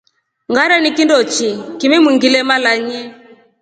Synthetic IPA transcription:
ŋɡaɾanikindɔt͡ʃikimɛmwiŋɡilɛmalaɲɛ

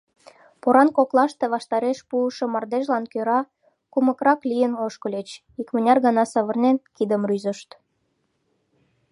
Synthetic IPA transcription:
poɾɑnkoklɑʃt̪eβɑʃt̪ɑɾeʃpuəʃŏmɑrd̪eʒlɑnkøɾɑ | kumə̆kɾɑklʲijənoʃkə̆lʲet͡ɕ | ikmə̆nʲɑrɣɑnɑsəβərnenkid̪əmryzəʃt̪

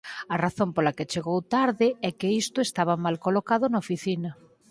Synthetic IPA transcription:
ɐraθõmpolaket͡ʃeɣowt̪aɾðɪɛkeist̪ʊest̪aβ̞ɐmalkolokaðʊnaofiθinɐ

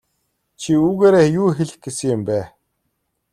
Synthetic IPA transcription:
t͡ɕʰiuːɣeːɾeːjuːxeɮɘ̆k̚ɡesɘ̆ŋjɪmpæː

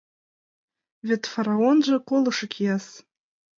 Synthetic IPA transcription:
vʲetfaɾaonʒəkʷolɨʂɨkʲʰjas

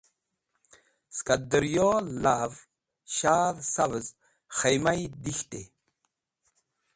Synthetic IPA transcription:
skad̪əɾjolav | ɕaːðsavəz | χejmajd̪ixt̪e

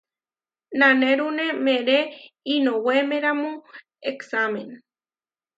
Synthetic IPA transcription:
naneɾunemeɾeinowemeɾamo | eksamen

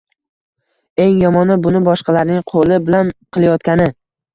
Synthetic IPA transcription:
e̞ŋjɒmɒnɪbʊnɪbɒʃqɑlaɾnɪŋqʰolˠɪbɪlanqʰɨlˠajɒt̪kʲanɪ

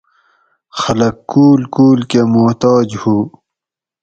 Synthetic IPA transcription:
xɐləkːuːlkuːlkemut̪ɑːd͡ʑhuː

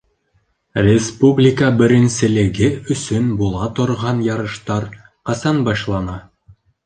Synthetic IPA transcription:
rʲɪspublʲikəbɘ̆ɾɘ̆nsɘ̆lɘ̆ɡɘɵ̆sɵnbulˠɑt̪ŏɾʁɑnjɑɾɤ̆ʃt̪ɑɾ | qɑsɑnbɑʃlˠɑnɑ

